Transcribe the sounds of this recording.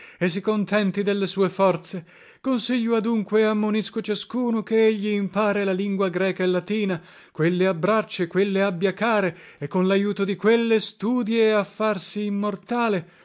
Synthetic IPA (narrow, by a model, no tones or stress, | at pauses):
es̬ːikont̪ɛnt̪id̪elːesuːefɔrt̪se | konsiʎːoad̪uŋkweamːoniskot͡ʃaskuːnokeeʎːiːmpaːɾelaliŋɡwaɡɾɛːkaelːat̪iːna | kwelːeabːɾat͡ʃːekwelːeabːjakaːɾeekːonlajuːt̪od̪ikwelːest̪uːd̪jeːafːarsiːmːort̪aːle